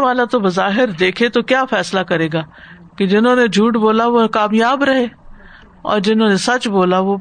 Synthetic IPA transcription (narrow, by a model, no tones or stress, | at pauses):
ʋaːlat̪obɐzaːɦɪɾd̪eːkʰet̪okjaːfʰɛːslakɐɾeːɡaː | ked͡ʒɪnɦõːned͡ʒʱuːʈboːlaʋokaːmjaːbɾɐɦeː | ɔ̰ːɾd͡ʒɪnõːnesɐt͡ʃboːlaʋo